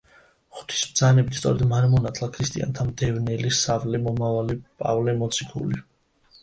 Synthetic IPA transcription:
χu̥t̪ʰi̥sbd̪zanɛbit̪ssʼɔ̰ɾɛd̪maɾɛmɔnat̪ʰlˠakʰɾist̪ʼḭa̰nt̪ʰamd̪ɛvnɛlisavlɛmɔmavalipʼa̰vlɛmɔt̪sʰikʰṵli

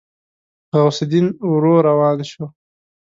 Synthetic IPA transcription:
ɣawsɪd̪inɾoːɾawɑːlʃo

